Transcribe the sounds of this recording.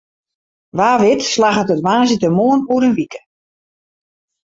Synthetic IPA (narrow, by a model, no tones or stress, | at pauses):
ʋaːʋɪtslaɣətətʋaːnzitəmoənuəɾənʋikə̥